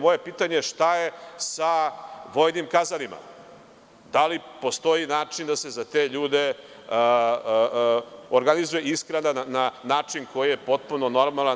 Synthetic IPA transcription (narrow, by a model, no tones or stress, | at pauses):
mo̞je̞piːt̪aɲeʂt̪aje̞saʋo̞jnimkazalima̰ | d̪alipo̞st̪o̞jinaːt͡ʂind̪ase̞zat̪e̞ʎuːd̪e̞ | oɾɡanizuje̞iskɾanaananaːt͡ʂinko̞jije̞po̞t̪̚puno̞no̞ɾmalˠa